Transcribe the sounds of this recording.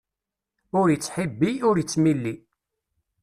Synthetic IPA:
ʊɾjət͡sːħibːiʊɾjət͡sːmilːi

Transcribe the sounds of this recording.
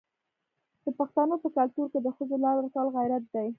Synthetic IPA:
d̪̥əpaxt̪anopəkalt̪uɾked̪əxəzolɑɾakɑlɣajɾat̪̚d̪aj

